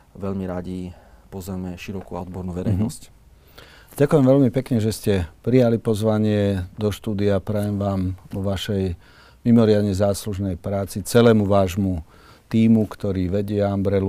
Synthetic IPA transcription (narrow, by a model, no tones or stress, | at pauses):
ʋɛʎmiɾaɟi | pɔzɛmɛʃiɾɔkuaɔd̪bɔɾnuːʋɛɾɛjnɔsc | ɟakʊjɛmʋɛʎmipɛkɲɛʒɛscɛpɾijalipɔzʋaɲɪɛd̪ɔʃt̪uːd̪iapɾɛjɛmʋaːmʋɔʋaʃɛj | mimɔɾɪad̪ɲɛzaːsluʒnɛjpɾaːt͡sit͡sɛlɛːmuʋaːʒmu | t̪iːmukt̪ɔɾiːʋɛɟɪɛambɾɛl